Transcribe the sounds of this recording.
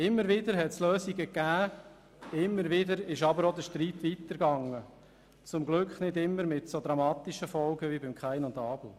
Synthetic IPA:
ɪmːəɾʋɪd̪əɾɦɛtsløːsiɡəkːæː | ɪmːəɾʋɪdəɾɪʃɑbəɾod̪əʃtɾiːt̪ʋit̪əɾɡɑŋːə | t͡sʊmɡlʏkχnɪdɪmːəɾmɪtsod̪ɾɑmɑːt̪iʃəfɔlɡəʋibɪmkχæɪnʊndɑːb̥l̩

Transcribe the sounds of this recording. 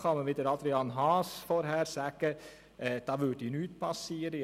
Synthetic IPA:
kʰɑməʋɪt̪əɾɑld̪ɾɪɑnɦɑːsfɔɾɦæːɾsæːkə | d̪̥ɑːʋʉʈ̪inʉːt̪̚pʰɑsːiːəɾɪ

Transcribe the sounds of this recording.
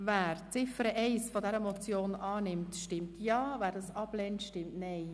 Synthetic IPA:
væːɾt͡sɪfəɾəʔɛɪsfodɛɾəmɔt͡sjoːnʔɑːnɪmtʃtɪmtʰjɑːvæːɾdɑsɑb̥lɛntʃtɪmtnɛɪ

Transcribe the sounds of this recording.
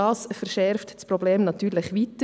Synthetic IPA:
ɑːsfɛɾʃɛɾftspɾobleːmnɑt̪yːɾlɪχʋitə

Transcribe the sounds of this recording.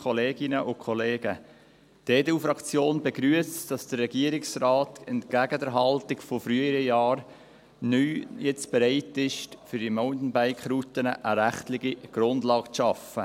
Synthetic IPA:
kʰɔleːɡɪnəʔʊkʰɔleːɡ̥ə | d̥eːdɛufɾɑkt͡sjoːnbɛɡ̥ɾyəsd̥ɑsd̥əɾːɛɡiəɾɪksrɑːtɛntkæɡədɛɾɦɑltɪkfɔfɾyːəəɾəjɑːɾ | nyːjɛt͡sb̥ɛɾaɪtɪʃtfyɾd̥imɔʊntn̩baɪkχɾutənəʔəɾæχtlɪɡiɡ̥ɾʊndlɑːkt͡sʃɑfə

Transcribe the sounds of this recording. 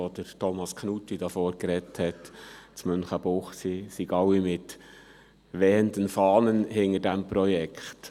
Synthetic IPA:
ɔd̥əɾtʰɔmɑskʰnutːid̥ɑfoːɾkɾɛthɛtt͡smʏnχəb̥ʊχsisiɡɑwimɪt | ʋɛːəndənfɑːnənɦɪŋəɾdæmpɾɔjɛkχt

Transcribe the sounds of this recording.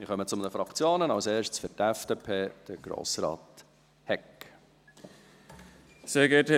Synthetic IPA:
mɪχœmət͡sʊmənəfɾɑkt͡sjoːnənɑwseːɾʃtsfʏɾtɛfd̥epʰeːd̪̥əɡ̥ɾo̰ːsɾɑ̰ːt̪ | hɛk | seɡɛːth

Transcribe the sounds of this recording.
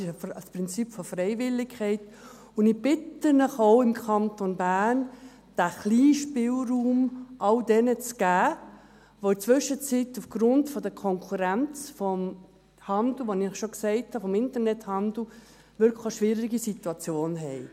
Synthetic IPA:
ɪʃfspɾɪnt͡sipfɔfrɛɪvɪlːɪkʰɛɪt | ʊnɪb̥ɪtənəχoʊɪmkʰɑntonbæːn | d̥æχliːʃpɪlruːmʔɑldɛnət͡sɡ̥æː | ʋoɪt͡sʋʏʃət͡situfɡ̥ɾʊntfɔd̥̪əkʰɔŋkʰuɾænt͡sfɔm | hɑnd̪l̩ʋonɪχʃɔksɛɪthɑfɔmɪntəɾnɛthɑnd̪l̩ | ʋʏɾkʰləʃʋɪːɾiɡisituɑt͡sjoːnɦɛɪ

